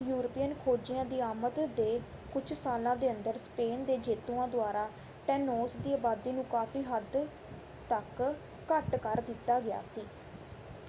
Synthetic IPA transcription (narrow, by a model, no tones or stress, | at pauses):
juːɾəpiːənkʰoːd͡ʒijãːd̪iːaːmət̪d̪eː | kʊt͡ʃʰsaːlãːd̪eːənd̪əɾspeːnd̪eːd͡ʒeːt̪uːãːd̪ʊaːɾaː | ʈɛːnoːsd̪iːaːbaːd̪iːnũːkaːfiːɦəd̪ | t̪əkː | əʈkəɾd̪ɪt̪ːaːɡɪja̰ːsiː